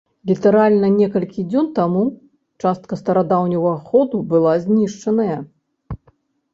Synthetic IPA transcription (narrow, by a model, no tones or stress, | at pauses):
lʲit̪ɐɾalʲnɐnʲɛkɐlʲkʲid͡zʲɔnt̪amu | t͡ʂast̪̚kɐst̪ɐɾad̪awnʲɐvɐɐxɔd̪ubɨlˠazʲnʲiʂt͡ʂɐnɐjɐ